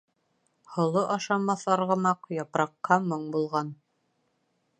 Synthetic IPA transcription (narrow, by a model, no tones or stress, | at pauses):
hŏlˠoʔɑʃɑmɑθɑɾʁɤ̆mɑqjɑpɾɑqːɑmoɴbulˠʁɑn